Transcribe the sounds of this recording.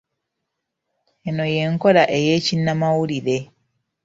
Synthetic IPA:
eno̞je̞ŋko̞laʔejeːcinːamawuliɾe̞

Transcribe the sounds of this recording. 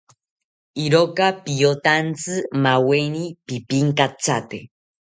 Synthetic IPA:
iɾokapijot̪ant͡sɨmawenipipiŋkat͡sat̪ḛ

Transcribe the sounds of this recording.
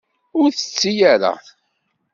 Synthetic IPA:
ʊɾθə̥t͡sːijaɾa̰

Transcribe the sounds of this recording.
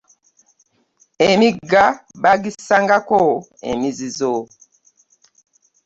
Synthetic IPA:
emiɡabaɡisaŋɡakɔ | ḛmizizo

